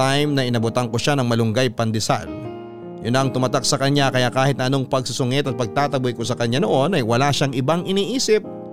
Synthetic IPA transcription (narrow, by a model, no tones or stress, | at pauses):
ajmnɐʔɪnɐbʊt̪ɐŋkoʃanɐŋmɐlʊŋɡajpɐnd̪ɪsa̰l | jʊnːɐːŋt̪ʊmat̪ak̚sɐkɐɲakɐjakaːhɪt̪̚nɐʔɐno̞ŋpɐɡ̚sʊsʊŋɪt̪ɐt̪̚pɐɡ̚t̪aːt̪ɐbʊjkosɐkɐɲːano̞ʔo̞nɐjwɐlaʃaŋɪbaŋʔɪniːʔiːsɪp̚